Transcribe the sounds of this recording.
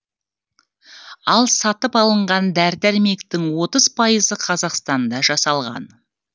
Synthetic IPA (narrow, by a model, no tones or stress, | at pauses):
ɑlˠsɑt̪əpɑlˠəɴʁɑnd̪æɾt̪æɾme̞kt̪ɪŋwo̞t̪əzpʰɑjəzəqʰɑzɑqst̪ɑnd̪ɑʒɑsɑlˠʁɑ̰n